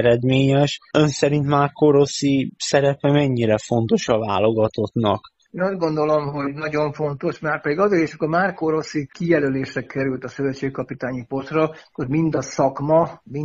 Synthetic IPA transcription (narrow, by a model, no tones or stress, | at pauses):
ɾɛd̪meːɲɛʃø̞nsɛɾint̪maːrkoɾo̞sisɛɾɛpɛmɛɲːiɾɛfo̞nt̪o̞ʃɒvaːlo̞ɡɒt̪o̞t̪nɒ̰k | eːnɒzɡo̞nd̪o̞lo̞mɦo̞ɟnɒɟo̞ɱfo̞nt̪o̞ʃmaːrpɛd̪iɡɒzeːɾiʃɔkːormaːrkoɾo̞sikijɛløleːʃrɛkɛɾylt̪ɒsøvɛt̪t͡ʃːeːkkɒpit̪aːɲipot̪rɒkoɾmind̪ɒsɒkmɒmi